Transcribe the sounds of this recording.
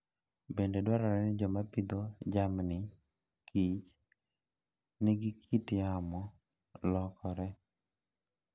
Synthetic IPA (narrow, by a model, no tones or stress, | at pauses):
bendedwaɾaɾɛnɪd͡ʒɔmapid̪od͡ʒamnɪ | kʰit͡ʃ | nɪɡikʰitjamɔ | lɔkɔɾɛ